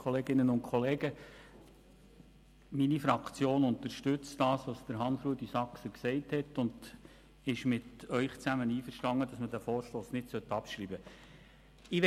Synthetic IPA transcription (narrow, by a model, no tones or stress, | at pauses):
kχɔleːɡɪnənʊntkʰχɔleːɡə | minifɾɑkt͡sjoːnʊnt̪əɾʃtʉt͡std̥ɑːsʋɑsd̥əɾɦɑnsɾuədisɑksəksɛɪthɛtʊnd | ɪʃmɪtœʏχt͡sæməniːfəʃtɑŋːədɑsmədæfoːɾʃloːsnɪdsœtɑpʃɾiːbə | ɪʋ